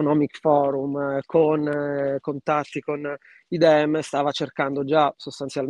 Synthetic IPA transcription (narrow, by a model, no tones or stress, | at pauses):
nɔmikfɔːɾumkʰonkont̪at̪ːikon | id̪ɛmːest̪aːvat͡ʃerkand̪od͡ʒasost̪ant̪sjal